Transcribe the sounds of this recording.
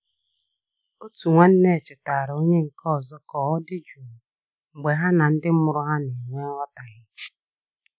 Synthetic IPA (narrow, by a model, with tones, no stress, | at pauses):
o˦tu˨ŋʷa˦n̩˦ne˦˨e˨t͡ʃɪ˨ta˨ɾo˦ɲe˦ŋ̩˨kɔ˦˨zɔ˦kɔ˨ɔ˦dɪ˦d͡ʒu˨ | ŋ͡m̩˨ɡ͡be˨ɦa˦na˨n̩˦dɪ˦m̩˦mʊ˨ɾʊ˦ɦa˦ne˨ŋʷe˦wʷa˦ta˨ɣɪ˦